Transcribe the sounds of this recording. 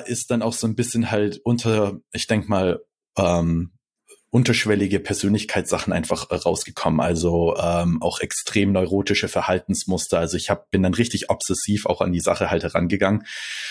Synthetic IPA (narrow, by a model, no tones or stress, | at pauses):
ʔɪst̚d̥anaʊxz̥oːnbɪsçənhaltʔʊntʰɐʔɪçd̥ɛŋkəmaːl | ʔɛːm | ʔʊntɐʃv̥ɛlɪɡəpʰɛɐzøːnlɪçkʰaɪt͡ssz̥aχn̩ʔa̰ɪnfaχɛʁaʊsɡ̥əkʰɔmənʔa̰lzoʔɛːmʔaʊxɛkstʁ̥eːmnɔʏʁoːtɪʃəfɛɐhaltn̩smʊstɐalzoɪçhaːbəb̥ɪndanʁɪçtɪçʔɔpsɛsiːfa̰ʊxa̰ndiːza̰χəhalthɛʁa̰nɡəɡaŋən